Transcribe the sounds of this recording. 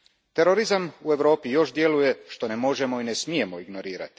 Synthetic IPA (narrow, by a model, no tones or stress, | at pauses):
t̪e̞ɾo̞ɾizamue̞ʋɾo̞ːpijo̞ʃd̪je̞luje̞ʃt̪o̞nemo̞ʒe̞mo̞inesmije̞moiɡno̞ɾiːɾa̰t̪i̥